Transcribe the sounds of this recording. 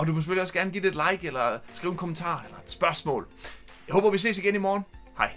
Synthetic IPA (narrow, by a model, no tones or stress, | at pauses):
ɒ̽d̥umɒse̥føliɒ̽sɡ̥æɐnɡ̥ḭːd̥e̝d̥lɑ̈ɪɡ̥elɐsɡ̥ʁḭːʊenkʰo̽mənt͡sʰɑ̰̈ːelɐe̝d̥sb̥ɶɐsmɔ̰̽ːl | jɑɪho̰ːb̥ɐʋis̬e̝̰ːsiɡ̥enimɒːnhɑ̈ɪ